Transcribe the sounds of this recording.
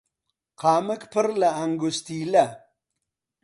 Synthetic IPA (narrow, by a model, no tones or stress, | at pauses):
qɑːməkpəɾlaːŋɡust̪iːla